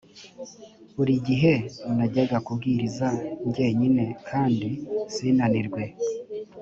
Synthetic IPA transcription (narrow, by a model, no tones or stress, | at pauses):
βuɾiɟiɦe̞naɟeɡakub̚ɡiːɾizaɲɟe̞ɲine̞kʰaːndisiːnaniɾɡwe̞